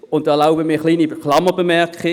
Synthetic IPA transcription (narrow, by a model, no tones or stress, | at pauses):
ʊn̚d̥ɑːlaʊbəmiːχliːniχlɑmːəbəmɛʁkχɪ